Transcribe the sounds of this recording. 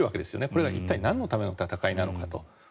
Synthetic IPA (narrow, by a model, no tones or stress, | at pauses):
ɯake̞d̪e̞sɨjo̞̰ne̞ko̞ɾe̞ɡaʔit̪ːainãnːo̞t̪ame̞no̞t̪at̪akainano̞kat̪o̞̰